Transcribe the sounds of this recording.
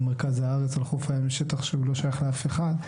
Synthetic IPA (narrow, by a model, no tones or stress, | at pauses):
meʁkazhaaʁet͡salχofajamleʃet̪aχʃeulo̞ʃajaχleafeχad̪